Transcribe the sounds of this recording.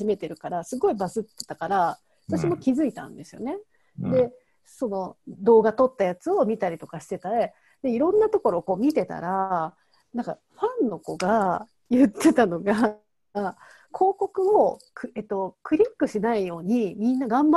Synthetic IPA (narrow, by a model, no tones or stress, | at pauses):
ime̞t̪e̞ɾɯ̟kaɾasɨɡo̞ibasɨt̪ːe̥t̪ːakaɾa | hat̪aɕimo̞kʲizɨit̪ã̰nd̪e̞sɨjo̞̰ne̞ | d̪e̞ | so̞no̞d̪o̞ːɡat̪o̞t̪ːajat͡sɨo̞mʲit̪aɾʲit̪o̞kaɕi̥t̪e̞t̪ae | d̪̥e̞iɾõ̞nːat̪o̞ko̞ɾo̞ːko̞ːmʲit̪e̞t̪a̰ɾa | nãŋka̰ | ɸãnːo̞ko̞ɡa | jɯ̟t̪ʰːe̞t̪ano̞ɡa | kʰo̞ːko̞kɯ̟o̞kɯet̪ːo̞kɯ̟ɾʲikːɯ̟ɕinaijo̞ːɲ̟imʲĩnːaɡãmb